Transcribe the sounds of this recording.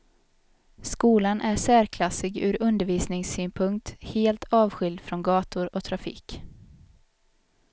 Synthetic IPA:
skuːlanʔæʂæːɾkʰlasɪɡʉ̟ːɾɵnd̪əɾviːsnɪŋsyːnpʰɵŋkt̪heːlt̪ʰɑːvɧʏld̪fɾɔnɡɑːt̪ʊɾɔt̪ʰɾafḭːk

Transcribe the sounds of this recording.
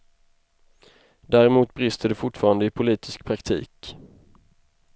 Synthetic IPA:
d̪æːɾɛmuːt̪bɾɪst̪əd̪ɵfʊʈfɑːɾand̪əɪpʰʊliːt̪ʰɪskpʰɾakt̪ʰḭːk

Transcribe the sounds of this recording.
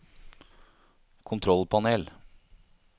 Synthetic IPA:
kʰʊnt̪ʰɾɔlpʰɑneːl

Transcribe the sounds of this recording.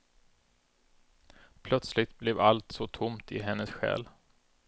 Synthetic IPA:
pʰlœt̪slɪt̪̚blɛvalt̪sɔt̪ʰʊmt̪ɪɦɛnːəsɧɛ̰ːl

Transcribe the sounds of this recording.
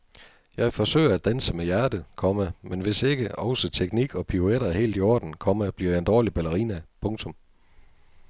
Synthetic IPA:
jɑ̈ɪfɒ̽sø̰ːɪɐæd̥ænsəmejæɐd̥əð̩ˠkʰɒ̽məmenʋe̝se̝ɡ̥əʔɒ̽ʊsət͡sʰeɡ̥niɡ̥ɒ̽pʰioeɾ̥ɐhe̝̰ːld̥iɒ̰ːd̥n̩kʰɒ̽məb̥liɐ̰jɑ̈end̥ɒːlib̥ælɐʁinæpʰɔ̽ŋt͡sʰɔ̽m

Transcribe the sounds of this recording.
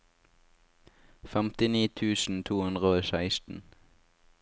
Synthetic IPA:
fɛmt̪ɪniːt̪ʰʉːsn̩t̪ʰuːʉnd̪ʁəoːʃæɪst̪n̩

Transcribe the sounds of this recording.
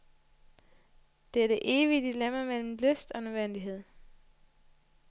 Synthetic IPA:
d̥eæɐd̥e̝ʔe̝ːʋiəd̥ilemæmel̰m̩løsd̥ɒ̽nøʋen̰d̥iɦe̝ð̰ˠ

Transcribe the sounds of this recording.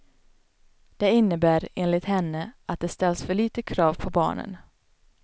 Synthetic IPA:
d̪̥ɛɪnːəbæːɾeːnlɪt̪hɛnːəʔat̪̚d̪ɛst̪ɛlsfœɭiːt̪əkʰɾɑːvpʰɔbɑ̰ːɳə̰n

